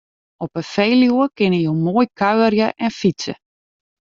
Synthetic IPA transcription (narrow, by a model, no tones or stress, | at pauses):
ɔpəfeːljuəkɪnəjoːmoːjkʰœɥərjəʔɛnfisə̰